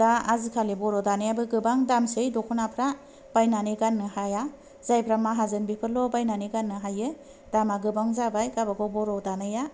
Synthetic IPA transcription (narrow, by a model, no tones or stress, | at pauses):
aazikʰalibɔɾɔdanajabɯɡɯbaŋdamsɯjdɔkʰɔnapʰɾa | b̥ajnaniɡanːɯhaja | z̥ajpʰɾamaɦazɯnbipʰɯlɔbajnaniɡanːɯɦajɯ | d̥amaɡɯbaŋzabajkabakʰɔbɔɾɔdanaja